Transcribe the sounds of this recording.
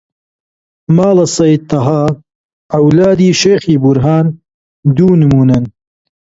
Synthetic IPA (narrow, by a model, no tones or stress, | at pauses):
maːlɐsɐj̚t̪ːɐɦaː | ʔɐwlaːd̪iːʃeːxiːbuɾɦaːn | d̪uːnɨmuːnɐn